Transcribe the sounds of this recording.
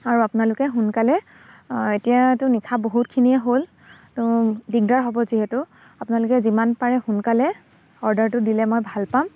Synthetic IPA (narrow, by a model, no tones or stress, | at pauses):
aɹuapʊnalʊkɛɦunkalɛ | etijatʊnikʰaboɦut̚kʰiniɛɦol | tʊdiɡ̚daɹɦɔbɔziɦɛtʊ | apʊnalʊkɛzimanpaɹɛhunkalɛ | ɔɹdaɹtʊdilɛmojbʱalpam